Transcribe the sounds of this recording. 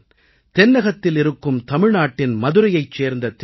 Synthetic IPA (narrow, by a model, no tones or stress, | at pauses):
t̪ɛnːɐɣɐt̪ːɪlɪɾɯkːɯmt̪ɐmɪɻnaːʈːɪnmɐðɯɾɐjɐɪt͡ʃːeːɾnd̪ɐt̪